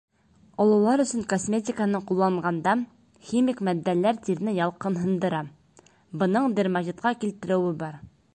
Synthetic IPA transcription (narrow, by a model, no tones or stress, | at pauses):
ɒlˠɑlˠɑɾɵ̆sɘŋkosmʲet̪ʲɪkənɤɴqulˠːɑɴʁɑnd̪ɑ | xʲimikmæd̪ːælːæɾt̪iɾnɘjɑlˠqɤnɦɤ̆nd̪ɤ̆ɾɑ | bɤ̆nɤɴd̪ɘɾmɑʑit̪̚qɑkʲilt̪ɘ̆ɾɘ̆wɘbɑɾ